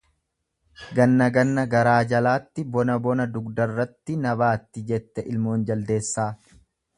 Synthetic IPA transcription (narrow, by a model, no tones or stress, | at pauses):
ɡɐnːɐɡɐnːɐɡɐɾaːd͡ʒɐlaːt̪ːɪbɔnɐbɔnɐd̪ʊɡd̪ɐrːɐt̪ːɪnɐbaːt̪ːɪd͡ʒɛt̪ːɛʔɪlmo̞ːnd͡ʒɐld̪e̞ːsːaː